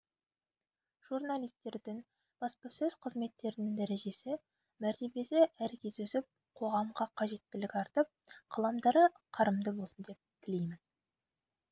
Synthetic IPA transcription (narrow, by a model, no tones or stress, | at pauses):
ʒ̥urnalˠijst̪e̞ɾd̪ɪŋ | b̥ɑspɑsɵz̥qʰəzme̞t̪ːe̞ɾɪnɪŋd̪æɾe̞ʒe̞sɪ | mæɾt̪e̞be̞seʔæɾkʲʰe̞zɵsɪp̚ | qʰo̞ʁɑmʁɑqʰɑʒe̞t̪ːɪlɪkʲɑɾt̪əp̚qʰɑlˠɑmd̪ɑɾə | qʰɑɾəmd̪əbo̞lˠsənd̪ep̚t̪ʲʰɪle̞jmɪn